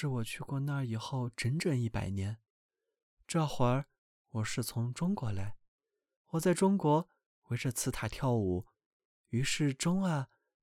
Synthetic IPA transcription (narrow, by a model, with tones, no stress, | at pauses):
ʂɻ̩˥˩wɔ˨˩t͡ɕʰy˥˧kwɔ˥˧na˥˧˩i˨˩xo˥˩ʊʈ͡ʂə˧˥nʈ͡ʂɤ˥˩ŋi˥˩pa̰˨˩ɪnjɛ˧˥n | ʈ͡ʂɤ˥˩xwa˧˥ | wɔ˨˩ʂɻ̩˥˩t͡sʰʊ˧˥ŋʈ͡ʂʊ˥ŋkwɔ˧˥la˧˥ɪ | wɔ˨˩t͡sa˥˩ɪʈ͡ʂʊ˥ŋkwɔ˧˥ | we˧˥ɪʈ͡ʂɤ˥˧˩t͡sʰɹ̩˥t̪ʰa˨˩t̪ʰjɑ˥˩ʊu˨˩˦ | y˧˥ʂɻ̩˥˩ʈ͡ʂʊ˥ŋa˧˩